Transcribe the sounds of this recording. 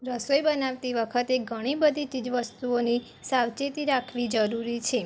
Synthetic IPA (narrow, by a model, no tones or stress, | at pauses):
ɾəsojbənaʋt̪iʋəkʰət̪eɡʱəɽ̃ibəd̪ʱit͡ʃid͡ʒʋəst̪uoni | saʋt͡ʃet̪iɾakʰʋid͡ʒəɾuɾit͡ʃʰe